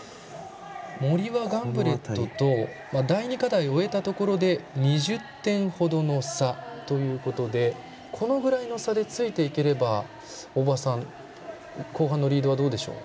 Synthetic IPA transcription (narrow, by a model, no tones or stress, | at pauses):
mo̞ɾʲiβaɡãmbɯ̟ɾe̞t̪ːo̞t̪o̞ | mad̪aiɲ̟ikad̪aio̞e̞t̪at̪o̞ko̞ɾo̞d̪e̞ɲ̟iʑɨt̪ːẽ̞ɰ̃ho̞d̪o̞no̞sat̪o̞jɯ̟ːko̞t̪o̞d̪e̞ | kʰo̞no̞ɡɯ̟ɾaino̞sad̪e̞t͡sɨit̪e̞ike̞ɾe̞ba | obasãŋ | ko̞ːɦãnːoɾʲiːd̪o̞βad̪o̞ːd̪e̞ɕo̞̰ː